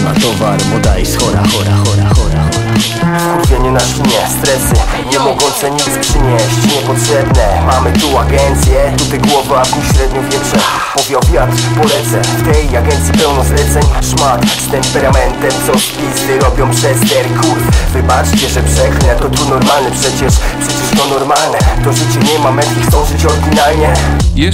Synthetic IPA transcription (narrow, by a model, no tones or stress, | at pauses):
na̰t̪ɔvaɾmɔd̪aisxɔɾa̰xɔɾa̰xɔɾaxɔɾa | skuɾvʲjɛɲunaʂɲɛst̪ɾɛsɘ | ɲɛmɔɡɔ̃wt̪sɛɲispʂɘɲɛɕt͡ɕɲɛpɔtʂɛbnɛmamɘt̪uaɡɛnt̪sʲjɛt̪ut̪ajɡwɔvakuɕɾɛd̪ɲɔvʲjɛtʂɛ | pɔvʲjɔvʲiat̪pɔlɛt̪sɛft̪ɛjaɡɛnt̪sʲjipɛwnɔzlɛt̪sɛɲʂmat̪ | t̪ɛmpɛɾamɛnt̪ɛmsɔ | izɛɾɔbʲjɔ̃w̃pʂɛst̪ɛɾkʰufvɘbat͡ʂt͡ɕɛʐɛpʂɛklɛt̪ɔt̪unɔɾmalnɛpʂɛt͡ɕɛʂpʂɛt͡ɕɛʂt̪ɔnɔɾmalnɛt̪ɔpʂɛt͡ɕivɲɛjmamɛt̪ʲixt̪ɔ̃w̃ʐɛt͡ɕɔɡ̪ʲinaɲɛɛ